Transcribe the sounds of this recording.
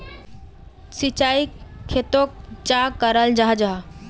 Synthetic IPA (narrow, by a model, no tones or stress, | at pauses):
sit͡ʃaikʰet̪ok̚t͡ʃakəɾəld͡ʒaɦd͡ʒaɦ